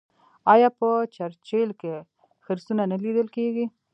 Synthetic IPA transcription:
ɑjɑpət͡ʃaɾt͡ʃelke | xɪɾsunanalid̪əlkeɡi

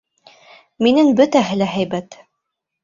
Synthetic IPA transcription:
minɘŋbɵt̪æɦɘlæɦæjbæt̪

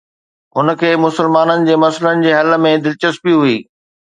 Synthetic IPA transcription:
ɦʊnə̆kʰeːmʊsəlmaːnənɪ̆d͡ʑeːmɐsələnɪ̆d͡ʑeːɦɐlə̆mẽd̪ɪlt͡ɕəst̪pijuɦʊiː

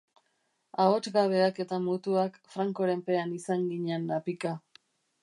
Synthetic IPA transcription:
aot͡ʃɡaβe̞ake̞t̪amut̪uakfɾaŋko̞ɾe̞mpe̞anisaŋɡiɲenapika

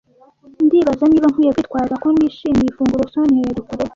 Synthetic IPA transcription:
ndiβazaniːβaŋ̥hujakwit̪̚waːɾzakoniːʃiːmifuːŋɡuɾosoneɾukuɾe

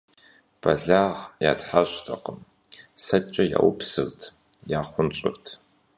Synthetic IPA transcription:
b̥ɐɮaːʁja̰ːtħaɕtʰʼɐqəm | sɐt͡ʃʼɐja̰ːwʊpsɨɣtʰ | jaːχʷʊnt͡ʃʼɪ̰ɣtʰ

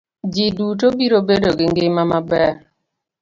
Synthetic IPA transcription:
d͡ʒidutobiɾobedoɡiŋɡemamabɛ

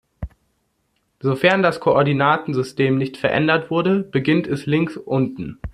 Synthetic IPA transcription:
zofɛɐndaskʰoʔɔɐdinaːtn̩zʏstʰeːmnɪçtfɛɐʔɛ̰ndɐtv̥ʊɐdəb̥əɡɪntʰɛslɪŋsʔʊntn̩

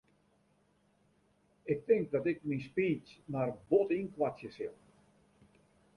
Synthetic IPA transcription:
ɪk̚tɪŋk̚dɔtɪk̚minspiːt͡smarbotinkʋatjəsɪl

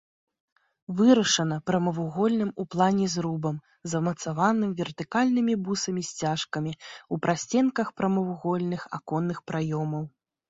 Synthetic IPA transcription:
vɨɾɐʂɐnɐpɾɐmɐvuɣɔlʲnɨmuplˠanʲɛzɾubɐm | zɐmɐt̪savanɨmvʲɛrt̪ɨkalʲnɨmʲibusɐmʲisʲt͡sʲaʂkɐmʲiupɾʔasʲt͡sʲɛnkɐxpɾɐmɐvuɣɔlʲnɨxa̰kɔnːɨxpɾajɔmɐw

